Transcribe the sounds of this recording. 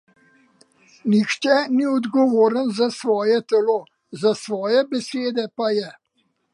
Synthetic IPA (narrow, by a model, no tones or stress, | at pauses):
nixt͡ʃɛniɔd̪ɡɔʋoːɾənzasʋɔːjɛt̪ɛloː | zasʋɔːjɛbɛseːd̪ɛpajɛ